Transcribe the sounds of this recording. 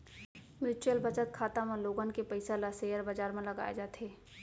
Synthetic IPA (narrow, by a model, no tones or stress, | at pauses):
mjuːt͡ʃuəlbət͡ʃət̪̚kʰaːt̪amẽloːɡənkepəɪsalasejəɾbad͡ʒaːɾmẽləɡa̰ːḛd͡ʒaːt̪ɦeː